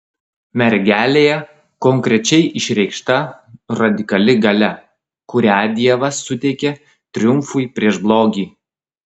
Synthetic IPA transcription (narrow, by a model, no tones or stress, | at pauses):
mʲɛɾʲɡʲæːlʲeːjɛ | kɔŋʲkɾʲɛt͡ʃʲɛɪʔɪʃʲɾʲɛɪkʃt̪ɐɾɐd̪ʲɪkɐlʲɪɡɐlʲɛ | kʊɾʲæːd̪ʲiɛʋɐsʊt̪ʲɛɪkʲɛ | t̪ʲɾʲɪjʊmfʊɪpʲɾʲiɛʒblˠoːɡʲiː